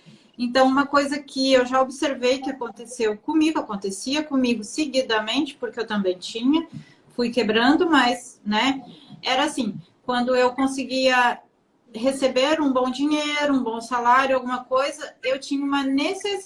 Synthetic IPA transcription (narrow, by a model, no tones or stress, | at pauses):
ẽnt̪ɐ̃w̃ũmɐkojzɐkʰɪewʒaobɪseɾvejkɪakõnt̪esewkõmiɡʊakõnt̪esiɐkõmiɡʊseɡid̪ɐmẽnt͡ʃɪ̥poɾkɪewt̪ɐ̃mbẽj̃t͡ʃĩɲɐ | fujkebɾɐ̃nd̪ʊmɐznɛɛɾɐasĩ | kwɐ̃nd̪ʊewkõsɪɡiɐ | hesebeɾũbõw̃d͡ʒĩɲejɾʊũbõw̃salaɾjʊawɡũmɐkojzɐewt͡ʃĩɲɐũmɐneses